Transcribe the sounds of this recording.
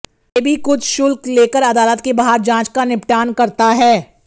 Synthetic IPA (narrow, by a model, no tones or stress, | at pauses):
ebʱikʊt͡ʃʰʃʊlkleːkəɾɐd̪aːlət̪kebaɦaːɾd͡ʒãːt͡ʃkanɪpʈaːnkɐɾt̪aɦɛː